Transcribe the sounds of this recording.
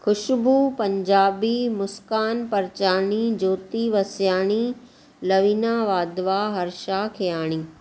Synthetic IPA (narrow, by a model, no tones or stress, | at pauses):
xʊʃbupɐ̃ɲd͡ʑaːbimʊskaːnpɐɾt͡ɕaːɽ̃id͡ʑoːt̪iʋɐsjaːɽ̃i | lɐʋiːnaːʋaːd̪ʋaːɦɐɾʃakʰejaːɽ̃iː